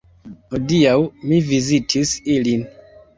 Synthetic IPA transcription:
hodiawmivizitʰisilin

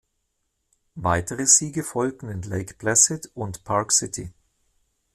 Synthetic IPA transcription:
vaɪtʰəʁəziːɡəfɔlk̚tn̩ɪnleɪkb̥lɛsɪtʊntpʰaʁksɪtʰḭ

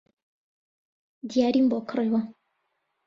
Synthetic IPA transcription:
d̪ijaːɾimboːkʰɨriwɐ

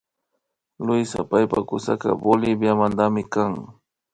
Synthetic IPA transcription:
lʊjsa̰pajpakʊsa̰ka̰bolɪbjamand̪amɪkaŋ

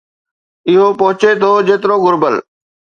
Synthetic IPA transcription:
ɪɦopɐɦʊt͡ɕet̪ʰoːd͡ʑeːt̪ɪɾoɡʊɾbəl

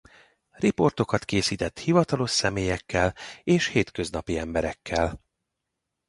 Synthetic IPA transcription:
ripo̞rt̪o̞kɒt̪keːsiːt̪ɛt̪hivɒt̪ɒlo̞ʃsɛmeːjɛkːɛleːʃheːt̪kø̞znɒpiɛmbɛɾɛkːɛl

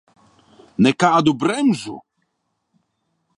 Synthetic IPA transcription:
nɛkaad̪ubɾɛmʐṵ

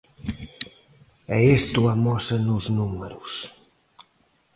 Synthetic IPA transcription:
əest̪uamɔsənuznuməɾus

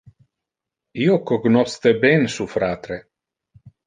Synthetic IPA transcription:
iokoɡnɔst̪ebɛnsufɾaːt̪ɾe

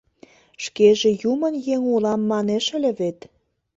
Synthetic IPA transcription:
ʃkeʒĕjumə̆njeŋulɑmːɑneʃə̆lʲĕβet̪

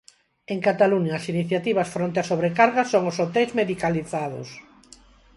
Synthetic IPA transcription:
eŋkat̪aluɲaːsiniθjat̪iβ̞asfɾont̪easoβɾekaɾɣasoŋʊsot̪ɛjzmeðikaliθaðʊ̰s

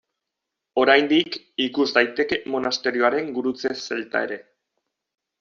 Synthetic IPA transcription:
o̞ɾajnd̪ik | ikuzd̪ajt̪e̞ke̞mo̞nast̪e̞ɾio̞aɾe̞ŋɡuɾut͡sese̞lt̪a̰e̞ɾe̞

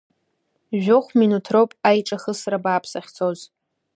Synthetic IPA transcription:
ʒᶣoχʷminutʰrowpʼajʈ͡ʂʼaχəsrabaːpʰsaχʲt͡sʰoz

